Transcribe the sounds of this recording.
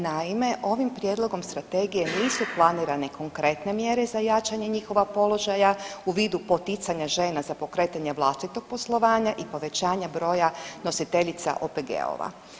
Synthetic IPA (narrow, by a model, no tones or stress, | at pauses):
naime̞ʔo̞ʋimpɾjed̪lˠo̞ɡo̞mst̪ɾat̪e̞ːɡijeniːsuplˠaniːɾane̞ko̞ŋkɾe̞t̪ne̞mje̞ɾe̞zajat͡ʃaɲe̞ɲixo̞ʋapo̞lo̞ʒajauʋiːd̪upo̞t̪it̪saɲaʒe̞ːnazapo̞kɾe̞t̪aɲeʋlˠast̪it̪o̞ɡ̥̚po̞slˠo̞ʋaːɲaʔipo̞ʋe̞t͡ɕaːɲabɾo̞ːjano̞sit̪e̞ʎit̪sa̰ʔo̰peɡḛo̰ʋa̰